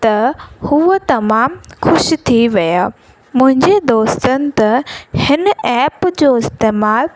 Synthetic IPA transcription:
t̪ɐhuːt̪ɐmaːmxʊʃt̪ʰiʋɐjaː | mʊ̃ɦɪ̃ɲd͡ʑed̪oːst̪ənɪ̆t̪ɐhɪnɛːpd͡ʑoɪst̪eːmaːl

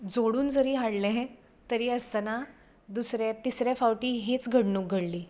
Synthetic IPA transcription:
d͡zoɽuːnd͡zəɾiːɦaɽlẽɦɛ̃ | t̪əɾiːəst̪ana | d̪usɾjat̪isɾjafawʈiːɦet͡sɡʱəɽnuːɡʱəɽliː

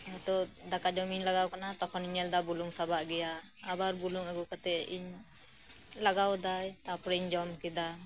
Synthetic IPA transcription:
at̪ɔd̪akad͡ʒɔmiɲlaɡawkanat̪ɔkʰɔniɲɛld̪abuluŋsabaʔɡɛjaː | baɾbuluŋaɡukat̪ɛiɲ | laɡawd̪ajt̪apɾɛiɲd͡ʒɔmkid̪a

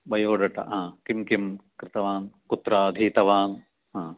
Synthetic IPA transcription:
bɐjoːɖɐʈɐ̰ɦãːkimkimkɾɪt̪ɐʋaːnkut̪ɾaːɐd̪ʱit̪ɐʋaːn | ɦãː

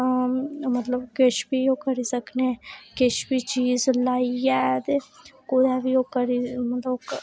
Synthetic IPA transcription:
mɐt̪ləbkɪt͡ʃʰbʱijokɐɾisəknekɪt͡ʃʰbʱit͡ʃiːzlaːijɛːd̪ekʊd̪abʱiokɐɾimɐt̪ləb

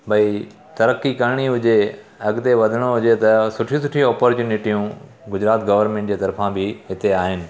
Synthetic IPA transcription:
bɐi | t̪ɐɾəkːikɐɾɽ̃iɦʊd͡ʑe | ɐɡt̪eʋɐd̪ʱəɽ̃oɦʊd͡ʑet̪ɐsʊʈʰĩsʊʈʰĩɔːpoɾt͡ɕuːnɪʈijũ | ɡʊd͡ʑɾaːt̪ɡɐʋəɾnmẽɳʈd͡ʑeːt̪ɐɾfãbɪɦɪt̪eaːɦɪnɪ̆

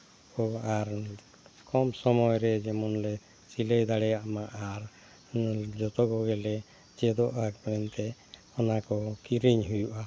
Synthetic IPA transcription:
kɔaɾ | kɔmsɔmɔjɾɛd͡ʒɛmɔnlɛ | t͡ʃiləjd̪aɽɛamaʔaɾ | d͡ʒɔt̪ɔɡɔɡɛlɛ | t͡ʃɛd̪ɔʔakbɾɛnt̪ɛ | ɔnakɔkiɾiɲɦujuʔa

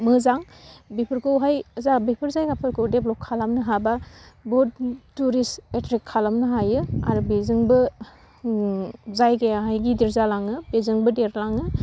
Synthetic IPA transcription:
mɯzaŋbipʰɯɾkowɦajzabipʰɯɾzajɡapʰɯɾkowdeblɔp̚kʰːalamnɯɦababɔd̚tuɾisetɾikʰːalamnɯɦajɯa̰ɾubizɯŋbɯ | zajɡeaɦajɡidiɾzalaŋɯbezɯŋbɯdeɾlaŋɯ

